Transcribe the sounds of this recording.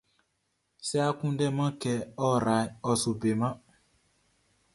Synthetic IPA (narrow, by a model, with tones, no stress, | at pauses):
sɛ˦a˦kũ˦dɛ˦mã˦kɛ˨ɔ˦ɾa˨jɔ˨su˨be˨mã˦